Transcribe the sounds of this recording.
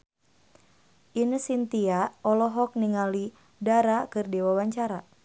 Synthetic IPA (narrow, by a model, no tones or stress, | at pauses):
ʔinəsint̪iaɔlɔɦɔk̚niŋali | daɾakɨrdiwawaɲt͡ʃaɾa